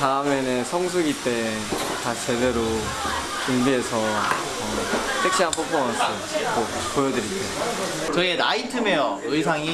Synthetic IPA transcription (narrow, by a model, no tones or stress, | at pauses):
taɯmenesʰʌŋs̬ʰuɡit͈e̞ | tat͡ɕe̞de̞ɾo | t͡ɕuŋbiɦe̞sʰʌ | ʌsʰek̚ɕ͈iɦanpʰopʰomʌnsʰʌ | ko | pojʌdɯɾit͈ejo | t͡ɕʌienaitʰɯmejoɯisʰaŋi